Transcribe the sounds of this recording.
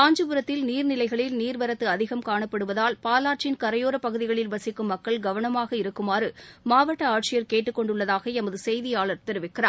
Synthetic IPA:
aːɲd͡ʒɯpɯɾɐt̪ːɪlniːɾnɪlɐɪɣɐɭɪlniːɾʋɐɾɐt̪ːɯɐðɪɣɐmkaːɳɐpːɐɽɯʋɐðaːlpaːlaːʈt͡ʃɪnkɐɾɐjoːɾɐpɐɣɯðɪɣɐɭɪlʋɐsɪkːɯmːɐkːɐɭɡɐʋɐɳɐmaːɣɐɪɾɯkːɯmaːɾɯmaːʋɐʈːɐaːʈ̚t͡ʃɪjɐɾkeːʈːɯkːɔɳɖɯɭːɐðaːɣɐɛmɐðɯsɛjðɪjaːɭɐɾt̪ɛɾɯʋɪkːɪɾaː

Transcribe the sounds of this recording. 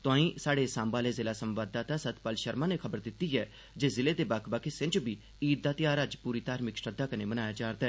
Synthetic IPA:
t̪ʊãːĩːsaːɽeːsãːmbaːleːzɪlaːsəmʋaːd̪aːt̪aːsət̪pəlʃəɾmãːneːkʰəbəɾd̪ɪt̪ːiːɦɛː | d͡ʒeːzɪleːd̪eːbakʰbaːkeːsɪ̃nt͡ʃbʱiː | iːt̪̚d̪aːt̪ɪjaːɾəd͡ʒpuːɾiːt̪aːɾmɪkʃɾəd̪ːaːkəneːbənaːjaːd͡ʒaːɾt̪ɛː

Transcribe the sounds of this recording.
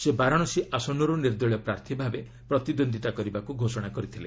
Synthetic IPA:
sebaɾɔɽ̃ɔsiʔasɔnuɾuniɾd̪ɔɭjɔpɾaɾt̪ʰibʱabe | pɾɔt̪id̪ond̪ʱit̪akɔɾibakuɡʱosɔɽ̃akɔɾit̪ʰile

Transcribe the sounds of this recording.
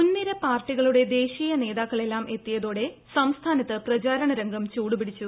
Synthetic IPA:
munːiɾɐpaːrʈːiɣɐɭuɽe̞d̪e̞ːɕiːjɐne̞ːðaːkːɐɭe̞lːaːmʔe̞t̪ːijɐðoːɽe̞sɐmst̪ʰaːnɐt̪ːɨprɐt͡ɕaːɾɐɳɐɾɐŋɡɐmt͡ɕuːɽupiɽit͡ɕːu

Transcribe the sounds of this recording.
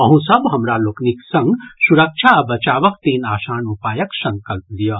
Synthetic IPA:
ɐɦũsɐbɦɐmɾalokniksɐ̃ŋɡsuɾɐkʃʰaɐbɐt͡ʃaːʋəkt̪iːnaːsaːnupaːjəksɐ̃ŋkɐlp̚d̪ijaː

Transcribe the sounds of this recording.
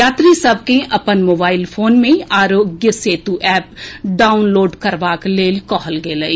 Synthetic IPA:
jaːt̪ɾisɐb̚kẽʔɐpənmoːbaːɪlpʰoːnmẽaːɾoːɡjəseːt̪uʔɛːpɖaːʊnloːɖkɐɾʋaːkleːlkɔːɦəlɡeːlɐi

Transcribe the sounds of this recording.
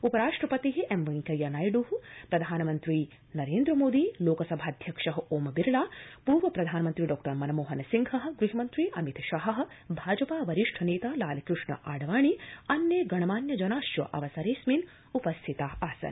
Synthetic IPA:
upɐɾaːʂʈɾɐpɐt̪iɦiʔemʋɐŋkɐjɐnaːjɐɖuːɦupɾɐd̪ʱaːnɐmɐnt̪ɾiː | nɐɾeːnd̪ɾɐmoːd̪iːloːkɐsɐbʱaːd̪ʱjɐkʂɐɦɐoːmɐbiɾɐɭaːpuɾʋɐpɾɐd̪ʱaːnɐmɐnt̪ɾiɖɔːk̚ʈɐɾmɐnɐmoːɦɐnɐsiŋɡʰʱɐɦɐ̆ɡɾiɦɐmɐnt̪ɾiʔɐmit̪ʰʃɐɦɐ̆ɦɐ̆ | bʱaːd͡ʒɐpaːʋɐɾiʂʈʰɐneːt̪aːlaːlɐkɾuʂɳɐ̰ʔaːɖɐʋaːɳiɐnjeːɡɐɳɐmaːnjɐd͡ʒɐnaːʃjɐ̰ʔɐ̰ʋɐsɐɾeːsmin | upɐst̪ʰit̪aːaːsɐ̰n

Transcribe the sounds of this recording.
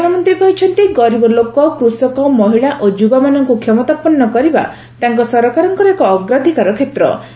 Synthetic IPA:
ɔnɔmɔnt̪ɾibʱɔjt͡ʃʰɔnt̪iɡɔɾibɔlokɔkɾusɔkɔmɔɦiɭaʔod͡ʒubamanɔŋkukʰjɔmɔt̪apɔnːɔkɔɾiba̰ | t̪aŋkɔsɔɾɔkaɾɔŋkɔɾɔekɔːɡɾad̪ʱikaɾɔkʰet̪ɾɔ̰

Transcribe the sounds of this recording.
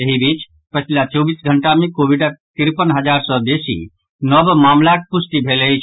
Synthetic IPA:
jeɦibit͡ʃ | pət͡ʃʰlat͡ʃɔbisɡʱəɳʈamekobʱiɖat̪iɾpənɦəd͡ʒaɾsɔ̃b̪esḭ | nəbmamlak̚pʊsʈ̪ibʱeləjt͡ʃʰ

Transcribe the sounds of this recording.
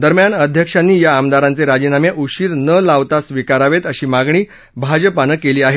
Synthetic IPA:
d̪əɾmjanəd̪ʱjəkʂanːiːjaːmd̪aɾãnt͡seɾad͡ʑiːnameʔuɕiːɾnəlaʋt̪asʋikaɾaʋet̪əɕiːmaɡɳiː | bʱad͡ʑəpanəkeliːaɦe

